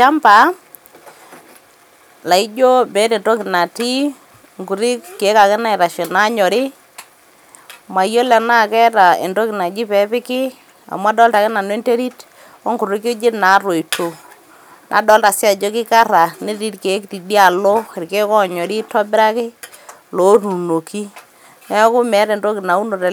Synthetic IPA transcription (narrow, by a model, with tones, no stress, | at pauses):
t͡ʃa˦mpa˨˦ | la˨i˦d͡ʒo˦be˨˦te˨nto˦kɪ˨na˨ti˦ | ŋɡu˨ɾi˦kke˨˦ka˨kɪ˦na˦ɪ˨ɾa˨ʃe˨na˦ɲɔ˨ɾɪ˦ | ma˨jo˦lɛ˨na˦˨kɛ˦ta˨ḛ˨nto˦kɪ˨na˨d͡ʒi˦pɛ˦pɪ˦kɪ˦ | a̰˨m˦a˦dɔ˦lta˨kɛ˦na˨n˦e˦nte˦ɾi˦t | ɔ˦ŋku˨ɾi˦ke˦d͡ʒɪ˦na˨˦ro˨i˨to˨ | nʔa̰˨˦dɔ˦lta˨sɪ˦a˨d͡ʒo˦kɪ˦ka˦ɾa˨nɪ˦ɾi˦ɾke˨˦kti˨di˦a˨lo˦ɪ˨ɾke˦kɔ˦ɲɔ˨ɾi˦tɔ˦bɪ˦ɾa˦kɪ˦ | lo˨˦ɾu˨no˨ki˦ | nɛ˦kʊ˦mɛ˨˦ɾɛ˨ndo˦kɪ˨na˨u˦no˨ɾe˨